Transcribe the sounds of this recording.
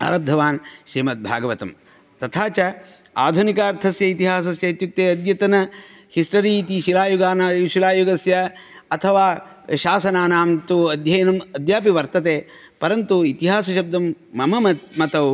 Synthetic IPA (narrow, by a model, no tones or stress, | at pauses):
ɐ̰ɾɐb̚d̪ʱɐʋaːnʃɾiːmɐt̪̚bʱa̰ːɡɐʋɐt̪ɐm | t̪ɐt̪ʰaːt͡ʃɐ | a̰ːd̪ʱunikaːɾt̪ʰɐsjɐit̪iɦaːs̬ɐsjɐit̪juk̚t̪eːɐd̪jɐt̪ɐnɐ | hisʈɐɾit̪iʃilaːjuɡaːnʃilaːjuɡɐsjɐɐt̪ʰɐʋaː | ʃaːsɐnaːnaːmt̪uɐd̪ʱjɐjɐnɐmɐd̪jaːpiʋɐɾt̪ɐt̪eː | pɐɾɐnt̪uit̪iɦaːsɐʃɐb̚d̪ʱɐmːɐmɐmɐmɐt̪ɐw